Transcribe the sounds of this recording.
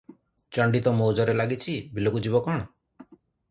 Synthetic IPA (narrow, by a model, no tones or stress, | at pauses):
t͡ʃɔɳɖit̪ɔmowd͡ʒɔɾelaɡit͡ʃʰibilokud͡ʒibɔkɔɽ̃ɔ